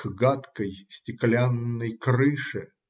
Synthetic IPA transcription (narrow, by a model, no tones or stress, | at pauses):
ɡat̪kəjsʲtʲɪklʲanːəjkɾɨʂɨ